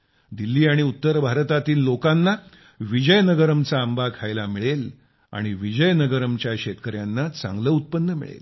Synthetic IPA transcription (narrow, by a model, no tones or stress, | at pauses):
d̪ilːiːaɽ̃iut̪ːəɾbʱaɾt̪at̪iːlːokanːa | ʋid͡ʑəjnəɡəɾəmt͡saəmbakʰajlamiɭel | a̰ɽ̃iʋid͡ʑəjnəɡəɾəmt͡ɕjaɕet̪kəɾjanːat͡sã̰ŋɡləːut̪̚pənːəmḭɭḛl